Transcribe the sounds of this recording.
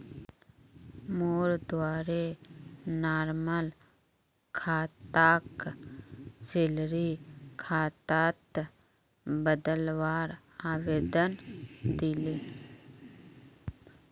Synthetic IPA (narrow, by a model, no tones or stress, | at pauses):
moːɾd̪waːɾe | naːɾməl | kʰaːt̪aːk | t͡ʃɪlɾikʰaːt̪aːt̪ | bəd̪əlwaːɾ | aːʋeːd̪ənd̪ileː